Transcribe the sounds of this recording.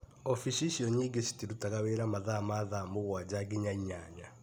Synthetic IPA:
ɔfiʃiʃiɔɲiɡesi̥tiɾutaɣaweɾamaðamaðamoɣwad͡ʑaɡiɲaiɲaɲa

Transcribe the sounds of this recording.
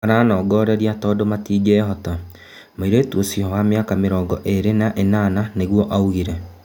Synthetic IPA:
aɾaːnɔːɡɔːɾɛɾiatɔːdomatiːɡeɦɔta | maiɾoetuosjihɔwameakameɾɔːŋɡɔʔeɾenaʔenananeɣwɔʔauɣiɾɛ

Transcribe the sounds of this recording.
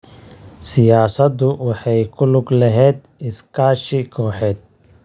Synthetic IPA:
sɪjaːsɐd̪ʊwɑħɑjkʰʊlʊɡlɐɦɛːd̪ | ɪskʰaːʃɪkʰɔːħɛːd̪̚

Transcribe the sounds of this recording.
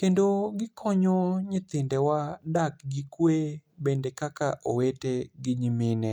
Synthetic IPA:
kendoɡɪkʰɔɲɔɲɪt̪ɪndɛwadak̚ɡikwebendekakaʔoweteɡɪɲimɪnɛ

